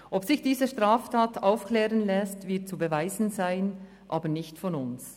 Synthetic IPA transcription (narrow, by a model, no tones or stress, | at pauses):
ʔopsɪçd̥iːzəʃtʁaːftʰaːtʰaʊfklɛːʁənlɛstvɪt̚t͡subəvaɪzn̩zaɪn | ʔaːbənɪçtfɔnʊns